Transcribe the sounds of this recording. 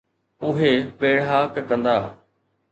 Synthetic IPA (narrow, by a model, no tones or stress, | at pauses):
ʊɦeɓeːɽaːkkə̃nd̪aː